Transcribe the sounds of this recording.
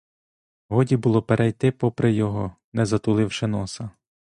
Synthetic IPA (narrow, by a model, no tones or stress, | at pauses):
ɦɔdʲibʊlˠɔpeɾʔɛjt̪ɪpɔpɾɪjɔɦɔ | nɛzɐt̪ʊlˠɪwʃɛnɔsɐ